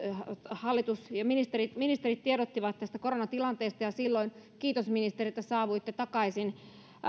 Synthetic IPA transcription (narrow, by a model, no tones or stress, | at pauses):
hɑlːit̪usjɑminist̪erit̪minist̪erit̪t̪ieɾot̪ːiʋɑt̪t̪ːæst̪ækoɾonɑt̪ilɑnt̪eːst̪ɑjɑsilːoinkiːt̪osminist̪erit̪ːæsɑːʋuit̪ːet̪ɑkɑisin